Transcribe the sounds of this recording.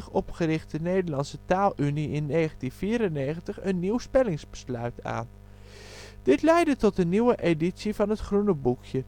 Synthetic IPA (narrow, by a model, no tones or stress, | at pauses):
χɔpχərɪχt̚dənejdəlɑnsətaːlˠʔyniɪnːejχəntinfiːɾənejχəntəχənːiwspɛlɪŋzbə̥slœɥta̰ːn | d̥ɪtlɛjdətɔtəniwəʔeditsivɑnɦətχrunəbukjə